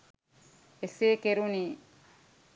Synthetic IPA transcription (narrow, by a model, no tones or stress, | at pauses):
eseːkeɾuniː